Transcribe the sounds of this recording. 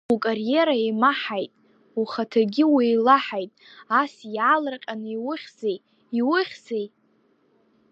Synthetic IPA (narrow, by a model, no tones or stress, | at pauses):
ukʼarje̞ɾaimaħajtʼ | uχatʰaɡʲɪwijlaħajtʼasjaːlarqʲʼaniwʊχʲzej | iwʊχʲzej